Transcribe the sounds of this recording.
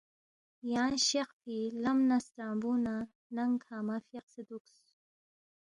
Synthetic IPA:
jaːnɕeqfilɐmnɐst̪aːmbuna | nɐŋkʰaːmɐfjeqsed̪uks

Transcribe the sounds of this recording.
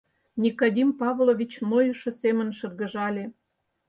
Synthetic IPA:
nʲikod̪ʲimpɑβlˠovʲit͡ɕnojuʃŏsemə̆nʃɤ̆rɣə̆ʒɑlʲe

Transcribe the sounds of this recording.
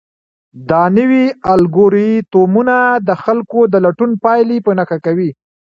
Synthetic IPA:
d̪ɑnəwialɡoɾit̪omunad̪əxalkod̪əlaʈunpɑjlipənaxakawi

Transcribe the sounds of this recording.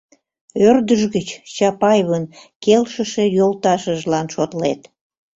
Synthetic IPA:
ørd̪əʒɣət͡ɕt͡ɕɑpɑjβənkelʃəʃe̽jolt̪ɑʃəʒlɑnʃot̪let̪

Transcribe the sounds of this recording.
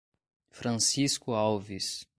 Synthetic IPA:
fɾɐ̃siskʊawvis

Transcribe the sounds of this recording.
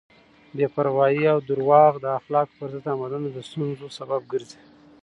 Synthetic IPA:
bepaɾwɑjiawd̪uɾwɑɣd̪əaxlɑkpəɾzət̪amad̪anod̪əst̪unzosabab̚ɡəɾzi̥

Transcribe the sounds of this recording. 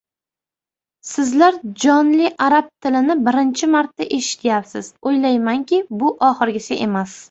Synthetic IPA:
sɪzlaɾd͡ʒɒnlɪʔaɾab̚t̪ʰɪlɪnɪbɪɾɪnt͡ʃʰɪmaɾt̪ːaʔe̞ʃɪ̥t̪ʰjapsɪzojlajmaŋkʲɪbʊʔɒχɨɾɡʲɪsaʔe̞mas

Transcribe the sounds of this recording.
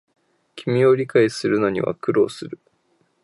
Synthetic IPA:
kʲʰimʲio̞ɾʲikaisɨɾɯ̟no̞ɲ̟ḭβa̰kɯ̟ɾo̞̰ːsɨɾɯ̟

